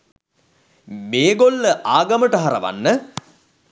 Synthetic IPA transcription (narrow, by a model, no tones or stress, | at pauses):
meːɡolːəʔaːɡɐməʈəɦaɾə̰ʋa̰nːə